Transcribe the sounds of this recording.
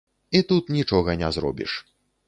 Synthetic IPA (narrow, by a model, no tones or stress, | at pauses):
it̪ut̪nʲit͡ʂɔɣɐnʲɛzɾɔ̰bʲḭʂ